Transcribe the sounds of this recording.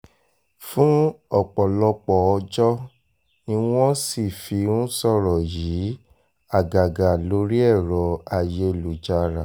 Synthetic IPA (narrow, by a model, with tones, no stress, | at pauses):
fũ˦ɔ˦˨k͡pɔ˨lɔ˧k͡pɔ˨ɔ˧d͡ʒɔ˦ | ĩ˧w̃ɔ̃˦si˦˨fi˧ũ˦sɔ˦˨ɾɔ˨jiː˨˦ | a˦˨ɡa˨ɡa˨lo˨˦ɾi˦ɛ˦˨ɾɔ˨a˨je˧lu˨d͡ʒa˨ɾa˨